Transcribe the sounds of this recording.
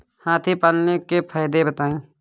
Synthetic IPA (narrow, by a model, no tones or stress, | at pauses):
haːt̪ʰipaːlnekepʰaːjd̪ebət̪aːĩː